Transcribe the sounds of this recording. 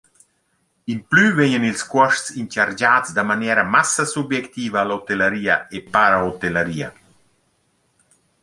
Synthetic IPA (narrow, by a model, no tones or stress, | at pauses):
implyveɲənilskwɔʃtsint͡ʃaɾd͡ʒaːt͡sd̪amanjɛːɾɐmasɐsubjɛkt̪iːvaːlot̪eləɾiːɐepaɾaot̪eləɾiːɐ